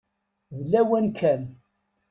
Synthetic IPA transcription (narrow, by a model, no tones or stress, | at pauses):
ðlːæwænkʰæn